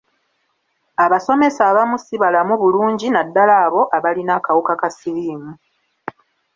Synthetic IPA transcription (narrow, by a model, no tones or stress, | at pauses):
aβaso̞me̞saːβamusiβalamuβuluːɲɟinadːalaːβo̞ʔaβalinakawukakasiliːmu